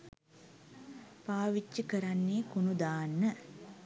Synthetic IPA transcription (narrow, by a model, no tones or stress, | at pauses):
paːʋit͡ʃːəkəɾanːeːkunud̪aːnːə